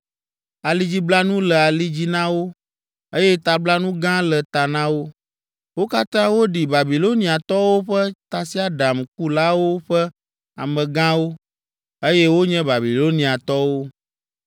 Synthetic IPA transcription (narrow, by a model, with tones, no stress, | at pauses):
a˨li˦d͡ʑi˦bla˦nũ˦lɛ˨a˨li˦d͡ʑi˦nã˦wo˦ | e˦jɛ˦t̪a˨bla˦nũ˦ɡã˦lɛ˨t̪a˨nã˦wo˦ | wo˦ka˦t̪ã˦wo˦ɖi˨ba˨bi˨lo˦nĩ˨a˨t̪ɔ˦wo˦ɸɛ˦t̪a˨si˦a˦ɖa˨mk̚u˦la˦wo˦ɸɛ˦ | a̰˨mɛ̃˨ɡã˦wo˦ | e˦jɛ˦wo˦ɲɛ̃˦ba˨bi˨lo˦nĩ˨a˨t̪ɔ˦wo˦